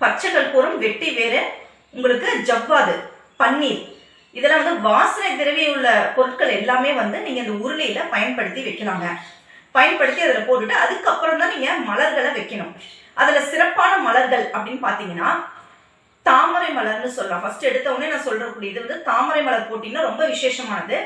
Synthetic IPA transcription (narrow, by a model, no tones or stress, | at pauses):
pɐt͡ʃːɐŋɡɐɭpuːɾɯmʋɛʈːiʋeːɾɯ | ʊŋɡɐɭɯkːɯd͡ʒɐbːaːðɯ | pɐɳːiːɾ | ɪðɛlːɐʋɐnd̪ɯʋaːsɐnɐɪt̪ːɪɾɐʋɪjjɯɭːɐpɔɾɯʈkɐɭɛlːaːmeːʋɐnd̪ɯniːŋɡɐɪnd̪ɐʊɾɯlɐjɪlɐpɐjɐnpɐɽɯt̪ːiʋɐɪkːɐlaːŋɡɐ | pɐjɐnpɐɽɯt̪ːiɐðɪlɐpoːʈːɪʈːɯɐðɯkːɐpːɯɾɐmt̪ãːniːŋɡɐmɐlɐɾɣɐɭɐʋɐɪkːɐɳʊ̰̃ | ʔɐðɪlɐsɪɾɐpːaːnɐmɐlɐɾɣɐɭɐpːɐɽɪnːɯpaːɾt̪iːŋɡɐnːaː | t̪aːmɐɾɐɪmɐlɐɾnɯsɔlːɐlãːfɐsʈɯɛɽɯt̪ːɐʋɐneːnãːsɔlɐɾɯkːuːɽɪjɐðɯʋɐnd̪ɯt̪aːmɐɾɐɪmɐɭɐɾpoːʈːiːnːɯɾɔmbɐʋɪʂeːʂɐmaːnɐðɯ